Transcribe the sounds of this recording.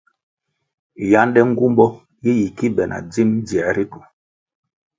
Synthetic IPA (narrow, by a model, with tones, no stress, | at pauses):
ja˦n˦dɛ˦ŋ̩˦ɡu˦mbɔ˦ | i˦ji˨ki˦bɛ˨nʔa̰˨d͡zi˦m˦d͡zi˨ɛ˨˦ɾi˦tu˨